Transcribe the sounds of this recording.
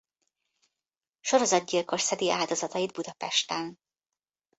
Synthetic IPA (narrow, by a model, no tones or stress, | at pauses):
ʃo̞ɾo̞zɒd̪ɟilko̞ʃsɛd̪iʔaːld̪o̞zɒt̪ɒjid̪̚bud̪ɒpɛʃt̪ɛn